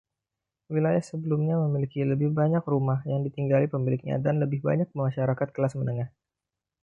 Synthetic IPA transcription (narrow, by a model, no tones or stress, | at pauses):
wilajahsəbəlumɲaməmilikiləbɪhbaɲakrumahjaŋdit̪iŋɡalipəmilɪk̚ɲa̰danləbɪhba̰ɲak̚məmaʃaɾakat̪̚kəlasmənəŋah